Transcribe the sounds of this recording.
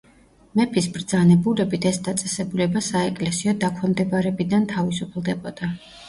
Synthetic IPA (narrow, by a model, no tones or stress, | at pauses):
mɛpʰisbɾd̪zanɛbulɛbit̪ʰɛsd̪at̪sʼɛsɛbulɛbasaɛkʼlɛsiɔd̪akʰwɛmd̪ɛbaɾɛbid̪ant̪ʰavisupʰlˠd̪ɛbɔd̪a